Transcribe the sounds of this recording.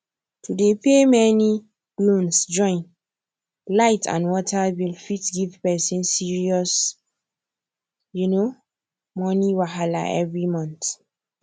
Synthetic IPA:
tʰudepemɛni | b̥lõnsd͡ʒɔ̃ɪ̃n | laɪtʰã̰nwɔtabilfitɡivpɛsĩnsiɹiɔs | juno | mɔniwaɦala̰ʔɛ̰vɹimɔ̃nt

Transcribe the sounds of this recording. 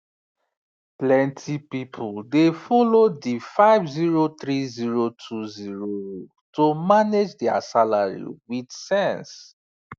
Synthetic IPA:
plɛ̃ntʰipipʰuldefɔlodifaɪvziɹotɹiziɹotʰuziɹowo | tomaned͡ʒdɛa̰salaɹḭwidsɛ̃ns

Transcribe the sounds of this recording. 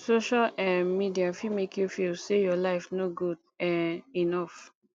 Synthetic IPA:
soʃalãmidiafimekʰjufilsejɔlaɪfnoɡud̚ | ɛ̃ninɔf

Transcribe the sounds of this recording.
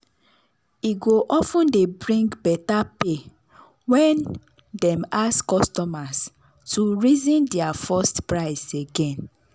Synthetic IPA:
iɡoʔɔfũndebɹĩŋɡbɛtape | wɛ̃n | dɛ̃maskɔstɔmas | tuɹizĩndɛafɔstpɹaɪseɡɛ̃n

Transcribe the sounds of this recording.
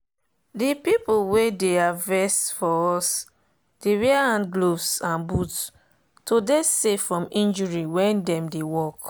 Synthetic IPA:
dipipowedeavɛstfɔɔs | d̥ewɛaãnɡlovsãnbut | todesefɹɔ̃mĩnd͡ʒɔɹiwɛ̃ndɛ̃mdewɔk

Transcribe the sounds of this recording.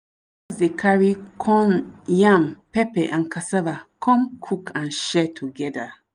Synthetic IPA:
ɔsdekʰaɹikʰɔ̃njãmpɛpɛʔãnkasavakʰɔ̃mkʰukʰãnʃɛtʰuɡɛda

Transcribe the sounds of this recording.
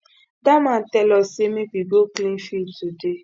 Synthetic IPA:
damatɛlɔsemebiboklinfitude

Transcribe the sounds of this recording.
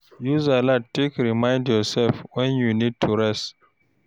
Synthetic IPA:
juzalatʰːekɹimãɪ̃ndjɔsɛlfwɛ̃njunid̚tʰuɹɛst

